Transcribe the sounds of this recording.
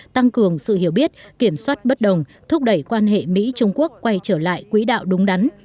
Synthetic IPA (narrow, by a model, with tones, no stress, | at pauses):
t̪a˧ŋkɨ˨˩əŋsɨ̰˧˨hi˧˩əwɓi˦˥ət̚ki˧˩əmswaː˦˥t̚ɓə˦˥t̚ɗə˨˩wŋ͡mt̪ʰʊ˦˥k͡p̚ɗə˧˩jkwaː˧nɦḛ˧˨mḭ˧˥t͡ɕʊ˧ŋ͡mku˦˥əkːwa˧jt͡ɕəː˧˩la̰ː˧˨jkwi˨˦ɗa̰ː˧˨wɗʊ˨˦ŋ͡mɗa˨˦n